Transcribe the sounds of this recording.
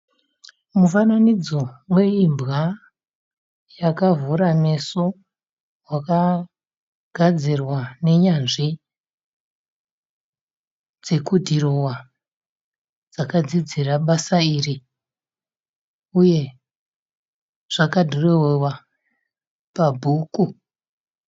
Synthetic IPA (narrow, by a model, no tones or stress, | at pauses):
mufananid͡zowe̞imbɣa | jakavuɾame̞so | waka | ɡ̥ʱad͡zirwane̞ɲanʐi | d͡ze̞kudʱirowa | d͡zakad͡zid͡ziraɓasairi | uje̞ | ʐ̥akadʱorewewa | pabʱuːku